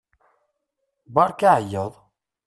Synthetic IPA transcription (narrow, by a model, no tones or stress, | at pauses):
bɑɾˤkaʕəjːəðˤ